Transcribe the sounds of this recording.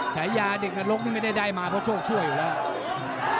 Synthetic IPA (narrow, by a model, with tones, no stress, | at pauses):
t͡ɕʰa˩˦jjaː˧de˨˩k̚ŋa˧lo˦˥k̚niː˥˩ŋm˥˩da˥˩jda˥˩jmaː˧pʰɔ˦˥t͡ɕʰoː˥˩k̚t͡ɕʰu˥˩əjːuː˨˩lɛː˦˥˩w